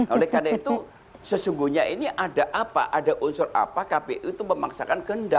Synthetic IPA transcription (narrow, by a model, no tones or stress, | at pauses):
olɛhkadait̪u | səsuŋɡuhɲaʔiniʔadaʔapa̰ʔadaʔunsʊra̰pakapeʔut̪uməmaksakankənda